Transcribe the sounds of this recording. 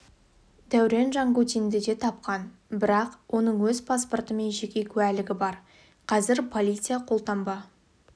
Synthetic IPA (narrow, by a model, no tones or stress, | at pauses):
d̪̥æwɾe̞nʒɑɴɡut̪ind̪ɪd̪e̞t̪ʰɑp̚qɑnbɪɾɑqwʔo̞nəɴwɵzpʰasport̪əme̞nʒe̞kʲe̞kʲʰʉælɪɡʲɪbɑɾ | qʰɑzɪɾpʰo̞lʲit̪sɨjaqʰo̞lˠt̪ɑmbɑ